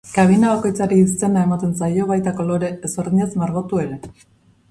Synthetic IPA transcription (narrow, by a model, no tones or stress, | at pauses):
kaβ̞inaβako̞jt͡saɾiːs̬t͡s̪e̞nae̞mat̪e̞nsajo̞βajt̪ako̞lo̞ɾe̞ːso̞ɾðiɲe̞zmaɾɣot̪ue̞ɾe̞